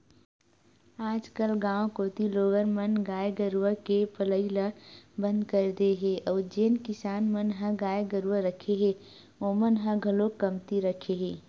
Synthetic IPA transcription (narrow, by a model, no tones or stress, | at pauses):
aːd͡ʒkəlɡãːw̃koːt̪iloːɡənmənɡaːjɡəɾʋəkepələiləbə̃nd̪kəɾd̪eɦeʔɔːɾd͡ʒeːnkɪsaːnmənɦə̃ɡaːjɡəɾʋəɾəkʰeɦe | oːmənɦə̃ɡʱɐlokəmt̪iɾəkʰeɦeː